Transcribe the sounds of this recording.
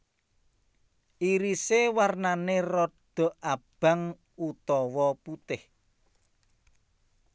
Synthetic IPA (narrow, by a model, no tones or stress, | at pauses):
ʔiɾisewarnanerɔd̪̥ɔ̤ʔab̥a̤ŋ | ut̪ɔwɔput̪ɪh